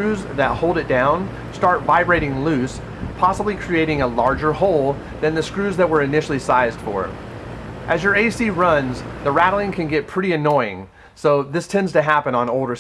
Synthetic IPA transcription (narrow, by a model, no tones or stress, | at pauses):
ɹʉzðɨt̚hoʊlˠdɨt̚d̥ãʊ̃n | stɑɹtvaɪbɹeɪɾɪ̃ŋlʉs | pʰɑsəblikʰɹ̥ieɪɾɪ̃ŋəlɑɹd͡ʒə˞hoʊlˠ | ðɨ̃nðɨskɹʉzðɨt̚wə˞ɨnɪʃl̩ˠisaɪzd̥fə̰˞ | ʔɨzjə˞eɪsiɹʌ̃nzðəɹæɾl̩ˠɪ̃ŋkʰɨ̃nɡɛt̚pʰɹ̥ɪɾiɨnɔɪɪ̰̃ŋ | soʊðɪstʰɛ̃ndz̥tɨɦæpɨ̃nə̃noʊlˠdə˞